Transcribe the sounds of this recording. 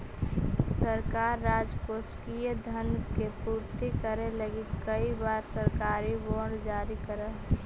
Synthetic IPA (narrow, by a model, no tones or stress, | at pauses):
səɾkaːɾːaːd͡ʒkoskijed̪ʱənkepuːɾt̪ikəɾeləɡikəibaːɾsəɾkaːɾiboɖd͡ʒaːɾikəɾəɦ